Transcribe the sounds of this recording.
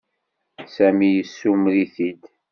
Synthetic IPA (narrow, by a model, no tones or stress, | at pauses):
sæmijəsːumliθid̪